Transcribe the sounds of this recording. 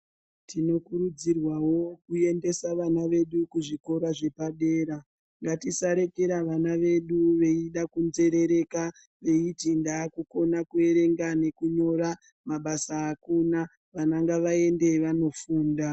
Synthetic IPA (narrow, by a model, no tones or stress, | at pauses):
tʰino̞kuɾud͡zirwawo̞kue̞nde̞saʋanaʋe̞ɗukuʐiko̞ɾaʐe̞paɗe̞ːɾa | ŋɡatisaɾe̞keɾaʋanaʋe̞ɗuʋe̞iɗakunze̞ɾe̞ɾe̞ka | ʋe̞itindakuko̞nakue̞ɾe̞ŋɡane̞kuɲo̞ɾa | maɓasaːkuna | ʋanaŋɡaʋae̞nde̞ʋano̞fuːnda